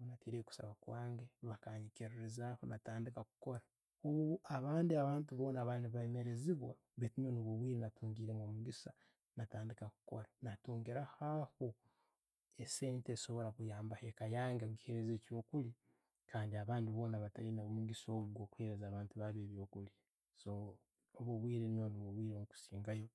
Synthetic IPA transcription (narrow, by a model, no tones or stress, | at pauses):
unateɾeku̥sa̰βakwaːŋɡeβakaɲikeɾiɾizahonataːndikakuko̞ɾa | oβuaβaːndiaβaːntuβo̞ːnaβaniβaeme̞ɾe̞ziβwa | βetinoniβoβwiːɾenatuːŋɡiːɾeŋɡomuɡisa | nataːndikaku̥ko̞̰ɾanatuːŋɡiɾahaho | ese̞niteso̞βo̞ɾakujaːmbahekajaːŋɡakuki̥he̞ɾezecoːkuli | kaːndiaβaːndiβo̞ːnaβatalinaumuɡiso̞ːɡokuhe̞ɾezaːβaːntuβaβeːβjo̞ːkuli | so | oβuβwiːɾenioniβuβwiːɾemuku̥siːŋɡajo̞